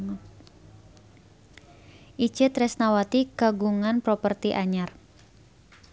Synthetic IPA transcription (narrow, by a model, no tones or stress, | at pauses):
ʔi̥t͡ʃɪt̪ɾɛsnawat̪ikaɡuŋanpɾopərt̪iʔaɲar